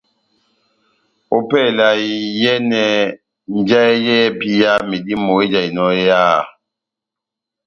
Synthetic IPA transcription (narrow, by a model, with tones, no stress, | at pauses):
o˦pɛ˦˨la˨i˨˦jɛ˦nɛ˨ | n˨˦d͡ʒa˦ɛ˦jɛ˦pi˦ja˦mi˨di˦mo˨i˦d͡ʒa˨i˨nɔ˦ja˦˨